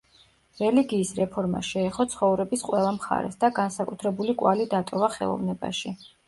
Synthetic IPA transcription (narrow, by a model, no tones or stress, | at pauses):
ɾɛliɡiːsɾɛpʰɔɾma̰ʃɛːχɔt̪sʰχɔvɾɛbisqʼwɛlˠamχa̰ɾɛ̰sd̪aɡansakʼut̪ʰɾɛbulikʼwalid̪at̪ʼɔvaχɛ̰lˠɔ̰vnɛba̰ʃi